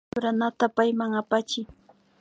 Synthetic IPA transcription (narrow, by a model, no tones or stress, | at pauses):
ʊɾanat̪apajmaŋapat͡ʃɪ